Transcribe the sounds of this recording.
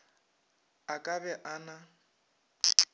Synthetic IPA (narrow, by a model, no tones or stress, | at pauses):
akʼabɛʔana